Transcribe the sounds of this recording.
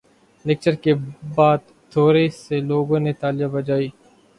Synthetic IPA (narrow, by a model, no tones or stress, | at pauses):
nɪk̚t͡ʃəɾkebaːd̪̚ | t̪ʰoːɾeseloːɡõnet̪aːlijabɐd͡ʒaːiː